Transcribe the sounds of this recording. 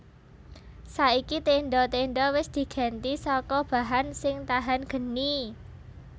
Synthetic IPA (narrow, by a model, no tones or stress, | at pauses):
saikit̪eɳɖɔt̪eɳɖɔwɪsd̪̥i̤ɡ̥ɛ̤nt̪isɔkɔb̥a̤ɦansɪŋt̪aɦanɡ̥ə̤ni